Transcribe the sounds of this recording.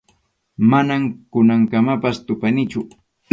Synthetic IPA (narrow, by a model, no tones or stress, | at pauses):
manamkʊnaŋkamapast̪ʊpanɪt͡ʃʊ